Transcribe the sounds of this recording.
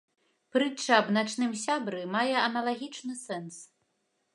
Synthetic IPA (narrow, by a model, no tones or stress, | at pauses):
pɾɨt͡ʂːɐːbnat͡ʂnɨmsʲabɾɨmajɛɐnɐlˠaɣʲit͡ʂnɨsɛns